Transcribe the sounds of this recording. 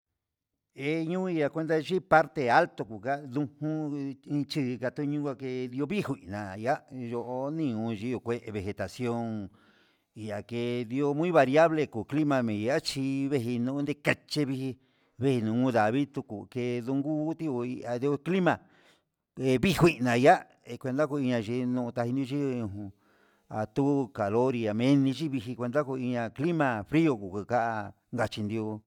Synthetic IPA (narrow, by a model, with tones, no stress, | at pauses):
e˧ɲũ˦i˧a˧kʷe˧nd̪a˧ʒi˦pa˦ɾt̪e˧a˦lt̪o˧ku˨ka˦ðũ˧hũ˦˧t͡ʃi˦˧ka˧t̪u˧ɲũ˦kʷa˧ke˧ði˧o˧βi˦hu˧i˨nã̰˨ja˦jo˧ʔo˧nĩ˦˧ũ˧ʒi˧˦o˧˨kʷe˦ʔβe˧˨xe˨t̪a˨sjo˦ŋ | i˧a˨ke˧ði˧o˧mũ˦ĩ˦βa˧ɾi˧a˦βle˧ku˨kli˦mã˧mĩ˨˧a˦t͡ʃi˧βe˧ɦi˧nũ˧˦nd̪e˧ka˧t͡ʃe˧βi˧hi˧ | βe˦˧hi˧nũ˨˧ŋũ˧ða˨βi˦t̪u˧ku˨ke˧ðu˧ŋɡu˦t̪i˦o˧i˧a˧ði˧o˧kli˦mã˨ | e˧βi˦hʷi˧ʔnã˨ja˦ | e˧kʷe˧nd̪a˦ku˧i˧ɲã˧ʒi˧nũ˧t̪a˧hi˧nd̪o˧t͡ʃi˦˧ũ˧ɦũ˧ | a˨t̪u˦˧ka˨lo˦ɾi˧a˨mẽ˧˦nĩ˧t͡ʃi˦βi˧ɦi˧kʷe˧nd̪a˦ku˧i˧ɲã˧kli˦mã˧fɾi˦o˧˨ku˨ku˧ka˦ʔa˧ | ŋɡa˧t͡ʃi˧nd̪i˧o˧